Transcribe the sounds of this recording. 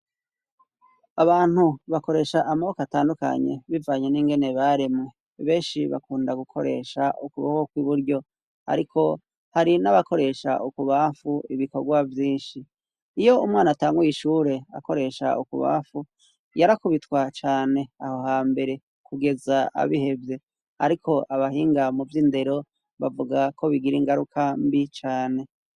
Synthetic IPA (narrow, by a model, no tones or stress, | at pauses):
aβaːn̥huβako̞ɾe̞ːʃaʔːmaβokataːnduka̰ɲe̞βivaːɲe̞niːŋɡe̞ne̞βaɾemŋe | βe̞ːnʃiβa̰kuːndaɡukʰo̞̰ɾe̞̰ʃaʔukuβakokwiβuɾɟo̞ | a̰ɾikʰo̞ | haɾinaβako̞ɾe̞ʃa̰ʔukuβafuiβiko̞ɾɡwavjiːnʃi | ijo̞umŋaːnataːŋɡujiʃuːɾe̞a̰ko̞ɾe̞ːʃa̰ʔukuβa̰fu | jaɾakuβitwat͡ʃaːne̞aho̞haːmbe̞ɾe̞ | kʰuɡe̞zaa̰βihe̞vje̞ | a̰ɾikʰo̞ʔaβahiːŋɡamuvjinde̞ɾo̞ | βavuɡakʰo̞βiɡiɾiŋɡaɾukʰambit͡ʃaːne̞